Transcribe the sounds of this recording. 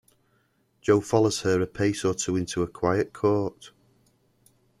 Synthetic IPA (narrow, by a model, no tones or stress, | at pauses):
d̥ʒ̥oʊfɒlˠoʊz̥əɹəpʰeɪsətʰəːɪ̃ntuəkʰw̥aɪəʔkʰɔˑʔ